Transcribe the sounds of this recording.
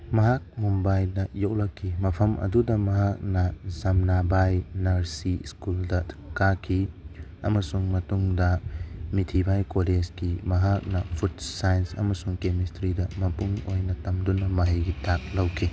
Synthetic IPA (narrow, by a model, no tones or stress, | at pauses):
mɐɦak̚mombajnɐjowlɐkʰːimɐpʰɐmʔɐ̰dudɐmɐɦak̚nɐzɐmnabajnɐɾsḭskuldɐkakʰiɐ̰mɐsuŋmɐtuŋdɐmitʰibajkoled͡ʒɡimɐɦak̚nɐpʰut̚sajnsɐ̰mɐsuŋkemistɾidɐmɐpuŋojnɐtɐmdunɐmɐɦiɡitʰak̚lɐwkʰi